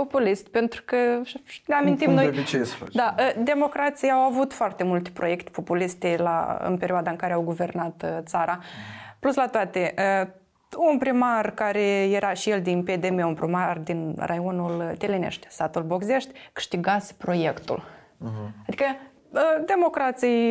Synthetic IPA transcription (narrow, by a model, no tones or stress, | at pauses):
po̞puliʃt̪ʲpe̞nt̪ɾukəneamint̪immnojbit͡ʃesə̥fat͡ʃd̪aʔəd̪e̞mo̞kɾat̪sijawavut̪foart̪e̞mult̪e̥pɾo̞je̞kt̪e̥po̞puliʃt̪ela̰ɨ̰npe̞ɾʲioad̪aɨŋkaɾeawɡuve̞rnat̪t̪saɾʔapluslat̪oat̪e̞ʔə | unpɾimarkaɾe̞je̞ɾʔaʃijeld̪inped̪e̞meunpɾimard̪inrʔajonult̪elenḛʃt̪ʲst̪at̪ulbo̞ɡze̞ʃt̪ʲkɨ̥ʃt̪iɡat̪spɾo̞je̞kt̪ṵl | ad̪ikə | əd̪e̞mo̞kɾat̪sij